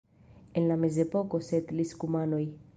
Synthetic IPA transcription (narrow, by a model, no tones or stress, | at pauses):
enlamezepokoset̪liskumanoj